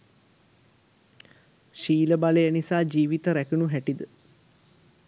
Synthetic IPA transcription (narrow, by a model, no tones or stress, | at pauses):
ʃiːləbaləjənisaːd͡ʒiːʋit̪əɾækunuɦæʈid̪ə